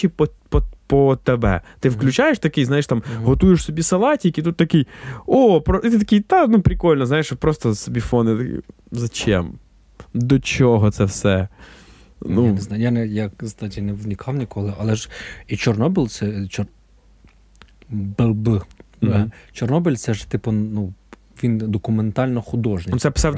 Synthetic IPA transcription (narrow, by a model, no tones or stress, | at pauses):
ipɔpɔpɔt̪ɛbɛ̰t̪ɪwklʲʉt͡ʃajeʃt̪ɐkɪjznajeʂt̪ɑmɦɔt̪ujɪʃsɔbʲisɐlˠɑtʲikit̪ut̪ːɐkɪjopɾɔt̪t̪ɐkʲijt̪anupɾʲɪkɔlʲnɔzajeʂpɾɔst̪ɔsɔbʲifɔnɪt̪ɐk | zɐt͡ʃɛ̰m | d̪ɔt͡ʃɔɦɔt̪sɛfsɛ | nueznɑjjanɛjakzd̪ɑtʲinɛwnʲikʰɑwnʲikɔlˠɪɐlˠɛʒit͡ʃɔrnɔbɪlʲˠt̪sɛt͡ʃɔ | bˠb | t͡ʃɔrnɔbɪlʲt̪sɛʒt̪ɪpʊnu | ʋʲind̪ɔkʊment̪ɑlʲnɔxʊd̪ɔʒnɪsɛpɪ̥sɑw̪